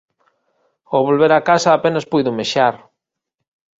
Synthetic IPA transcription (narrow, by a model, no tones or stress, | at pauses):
oβolβeɾakasaːpenaspujðʊmeʃaɾ